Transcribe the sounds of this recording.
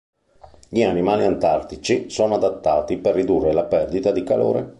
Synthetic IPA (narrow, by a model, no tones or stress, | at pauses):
ʎianimaːliant̪art̪it͡ʃisoːnoad̪at̪ːaːt̪iperːid̪urːelapɛrd̪it̪ad̪ikalo̰ːɾḛ